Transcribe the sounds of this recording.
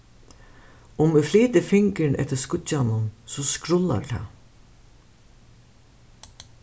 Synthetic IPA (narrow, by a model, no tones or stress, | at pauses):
ʊmɪfliːt̪ɪfɪŋkɪɳʔɛ̰ht̪ɪskʊt͡ɕːanʊnsɔskɾʊlːa̰ɾt̪ʰa̰